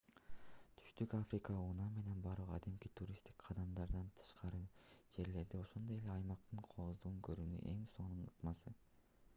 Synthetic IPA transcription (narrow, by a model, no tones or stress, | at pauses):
t̪ʰy̥ʃt̪ykafrʲikɑunɑme̞ne̞nbɑɾuʁɑ̰d̪emkit̪ʰuɾʲist̪i̥kqʰɑd̪ɑmd̪ɑɾd̪ɑnt̪ʰɯ̥ʃqʰɑɾɯd͡ʒe̞ɾle̞ɾd̪io̞ʃo̞nd̪oje̞le̞ɑjmɑq̚t̪ɯɴqʰoozd̪uʁuŋkʰøɾyny̰ʔe̞ŋso̞ɴnuɴɯqmɑsɯ